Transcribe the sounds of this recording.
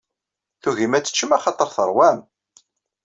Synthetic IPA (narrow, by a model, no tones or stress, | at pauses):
θuʝimæt͡sːə̥t͡ʃːəmæχɑt̪ˤəɾˤθəɾˤwæm